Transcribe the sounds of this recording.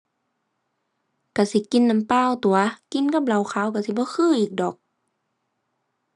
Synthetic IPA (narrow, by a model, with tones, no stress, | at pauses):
ka˧˩si˧˦ki˧˨nːa˧˥˦mpaː˧˥˨wt̪u˨˩ɐki˧˥˨nka˧˥p̚la˧˨wxʰaː˧˦˨wka˧˩si˧˦bɔː˧˦xʰɯː˧˩˨ʔiː˨˩k̚dɔː˨˩k̚